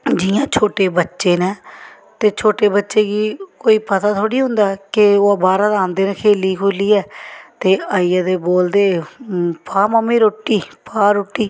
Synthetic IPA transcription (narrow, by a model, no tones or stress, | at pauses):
d͡ʒɪjãːt͡ʃʰoːʈeːbətːʃeːnɛː | t̪eːt͡ʃʰoːʈeːbətːʃeːɡiːkoːiːpət̪aːt̪ʰoːɽiːɦʊ̃nd̪aːkɪoːaːbaːɾãːd̪aːnd̪eːnẽːkʰeːliːkʰoːliːɛːt̪eːaːiːjaːd̪eːboːld̪eːpʰaːmamĩːɾoːʈːiːpaːɾoːʈːiː